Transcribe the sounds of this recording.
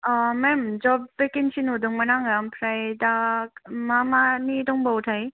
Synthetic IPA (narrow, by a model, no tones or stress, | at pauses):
amemd͡ʒɔbːekinsinudɔŋmɐnaŋampʰɾajdakmamanidɔŋbawtʰaj